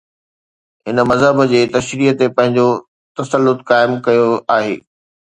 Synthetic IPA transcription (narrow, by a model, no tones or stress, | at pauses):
ɦɪnəmɐzɦəbd͡ʑeːt̪ɐʃɾiːət̪epɐ̃ɦɪ̃ɲd͡ʑo | t̪ɐsəlːʊt̪kaːɪmkɐjoaːɦḛː